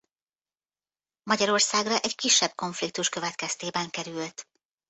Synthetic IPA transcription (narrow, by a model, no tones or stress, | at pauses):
mɒɟɒɾo̞rsaːɡrɒʔɛɟkiʃːɛb̚ko̞ɱflik̚t̪uʃkø̞vɛt̪kɛst̪eːbɛŋkɛɾylt̪